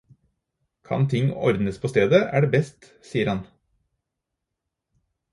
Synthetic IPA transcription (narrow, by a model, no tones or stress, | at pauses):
kʰɑ̰nt̪ʰɪŋɔ̰ɾd̪nəspʰoːst̪eːd̪əʔæ̰ːɖeːbɛst̪ | siːəɾɑn